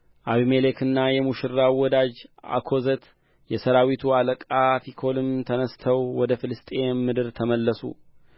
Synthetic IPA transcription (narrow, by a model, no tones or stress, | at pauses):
ʔaβimelekʰɨnːajɛmuʃɨɾːawɔd̪ad͡ʒa̰kʰo̞zət̪ | jɛsəɾawit̪ʰualəkʼafikʰo̞lɨmt̪ʰənəst̪ʰəwwɔd̪əfɨlɨst̪ʼe̞mɨd̪ɨɾt̪ʰəməlːəsṵ